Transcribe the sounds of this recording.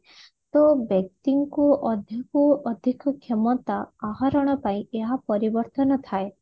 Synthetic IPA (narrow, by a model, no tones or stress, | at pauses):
t̪ɔbek̚t̪iŋkuɔd̪ʱjɔkuɔd̪ʱikɔkʰemɔt̪aːɦaɾɔɽ̃ɔpaĩeɦapɔɾibɔɾt̪ɔnɔt̪ʰae